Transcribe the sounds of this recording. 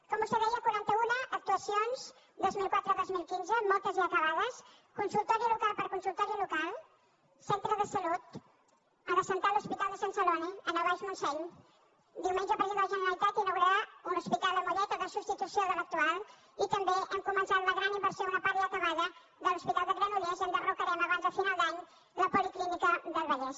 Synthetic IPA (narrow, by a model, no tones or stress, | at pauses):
kɔmusəβɛjəkwaɾant̪əunəʔːk̚t̪uəsionz | d̪ozmilˠkwat̪ɾəːðozmilˠkinzəmɔlˠt̪əziəkəβaðəs | kunsulˠt̪ɔɾilukalˠpəɾkunsulˠt̪ɔɾilukalˠ | sent̪ɾəðəsəlut̪ | ənəsənt̪aluspit̪alˠd̪əsansəlɔniənəβajzmunsɛɲ | d̪iwmẽnʒəpɾzend̪əʒənəɾəlit̪at̪inuɣɾaɾaunuspit̪alˠd̪əmuʎɛt̪əðəsu̥st̪it̪usioðələk̚t̪ual | it̪əmbeʔəŋkumə̃nsat̪unəɣɾanimbəɾsjounəpaɾiəkəβaðə | ðəluspit̪alˠd̪əɣɾənulɛzənd̪ərukəɾanəβanzəfinalˠd̪aɲ | ləpuliklinikəðəlβəʎɛs